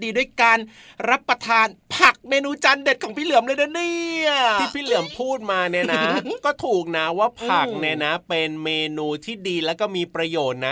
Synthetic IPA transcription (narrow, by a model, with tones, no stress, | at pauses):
diː˧du˥˩˨jkaː˧n | ɾa˦˥pɾa˧t̪ʰaː˧npʰa˨˩k̚meː˧nuː˧t͡ɕa˧nde˨˩t̪̚kʰɔː˩˦pʰiː˥˩lɯ˨˩˦əmle˧da˧niː˥˩iː˥˩pʰiː˥˩lɯ˩˦əmpʰuː˥˩t̪̚maː˧ni˧˥˩na˩˦˥kɔː˥˩t̪ʰuː˨˩k̚na˦˥waː˥˩pʰa˨˩k̚ni˧˥˩na˦˥pe˧nmeː˧nuː˧t̪ʰiː˥˩diː˧lɛː˦˥wkɔː˥˩miː˧pɾa˧joː˨˩t̪̚na˦˥